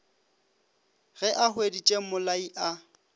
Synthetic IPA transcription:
ɣɛʔaɦwedit͡ʃʼemʊlaiʔa

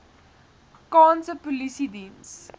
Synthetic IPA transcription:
kɑ̃ːnsəpɔlisidĩns

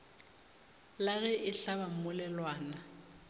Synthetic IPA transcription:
laɣɛʔɪɬaβam̩mʊlɛlwaːna

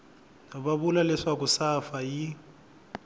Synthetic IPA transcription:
nɔbaβulalɛʂak̬usafaji

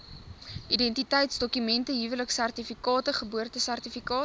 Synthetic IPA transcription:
ʔidɛntitəjtsdɔkymɛntəɦivələksærtifikɑːtəχəbuərtəsærtifikɑː

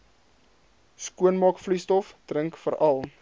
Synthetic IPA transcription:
skuənmɑːkflistɔfdrəŋkfəɾɐlˠ

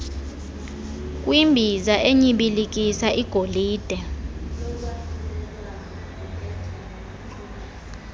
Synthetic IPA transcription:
k̬ʼwimbʱizaʔeɲiɓilik̬ʼisaʔiɡ̥ʱoliːd̥ʱɛ

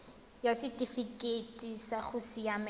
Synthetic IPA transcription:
jasɪtʼifikʼetʼisaχʊsɪam

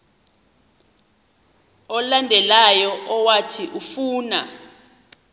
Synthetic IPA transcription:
ɔlandʱɛlajɔʔɔwatʰiʔufuːna

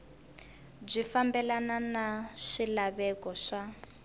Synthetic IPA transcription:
b͡ʐʷifambɛlananaʂilaβɛkɔʂa

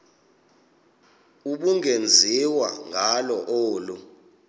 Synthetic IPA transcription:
uɓuŋend͡zʱiwa̰ŋalɔʔoːlu

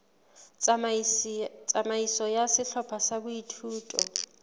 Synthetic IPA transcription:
t͡sʼamaisɔjasɪɬɔpʰasabʊitʰuːtʼɔ̰

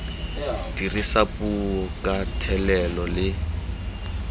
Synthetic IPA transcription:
d̥irisapʼuɔkʼatʰɛlɛlɔlɪ

